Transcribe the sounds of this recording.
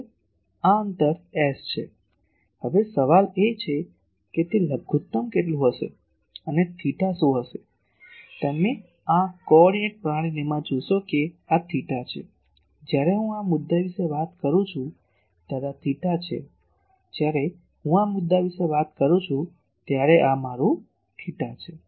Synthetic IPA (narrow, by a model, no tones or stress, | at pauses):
aənt̪əɾɛst͡ʃʰḛ | ɦəʋesəʋalet͡ʃʰe | ket̪eləɡʱut̪ːəmkeʈlũɦəʃḛ | ənet̪ʰiʈasoɦəʃe | t̪əme | akɔɽieʈ̚pɾaɽ̃inemãd͡ʒoʃokeat̪ʰiʈat͡ʃʰḛ | d͡ʒjaɾeɦũamʊd̪ːaʋiʃeʋat̪kəɾũt͡ʃʰũ | t̪aɾat̪ʰiʈat͡ʃʰḛ | d͡ʒjaɾe | ɦũamʊd̪ːaʋiʃeʋat̪kəɾũt͡ʃʰũ | t̪jaɾeʔamaɾũ | t̪ʰiʈat͡ʃʰe